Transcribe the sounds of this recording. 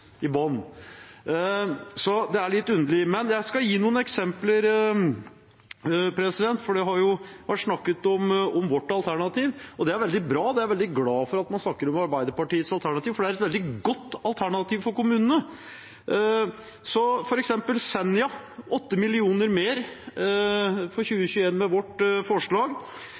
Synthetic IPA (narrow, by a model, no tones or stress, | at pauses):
ɪbɑːnn̩ | sɔd̪ɛæɭɪt̪ːʉnd̪əlɪmɛnjæɪskɑjiːnuːənɛksɛmpləɾ | pʰɾɛsɪd̪ɛnt̪fɔɖɛɦɑɾjʊʋæʈʂnɑkːət̪ɔmɔmʋɔʈːɑlt̪ʰæɳɑt̪ʰiːʋɔd̪ɛæɾʋɛld̪ɪbɾɑːd̪ɛæɾʋɛld̪ɪɡlɑːfɔɾɑt̪mɑnsnɑkːəɾɔmɑɾbæɪd̪əɾpɑʈiːət̪sɑlt̪ʰæɳɑt̪iːʋfɔɖɛæɾɛt̪ʋɛld̪ɪɡɔt̪ːɑlt̪ʰæɳɑt̪iːʋfɔɾkʊmʉːnənə | sɔfɔɾɛksɛmpəlsɛnɪɑɔt̪ːəmɪlɪuːnəɾmeːɾ | fɔɾɕʉːəçʉːəeːnmɛʋɔʈːfɔʂɭɑːɡ